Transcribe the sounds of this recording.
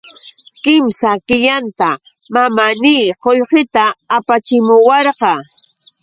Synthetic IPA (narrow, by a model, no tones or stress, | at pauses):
kɪmsakɪʎant̪a | mamaniːqoʎqɪt̪aːpat͡ʃɪmʊwɑɾqɑ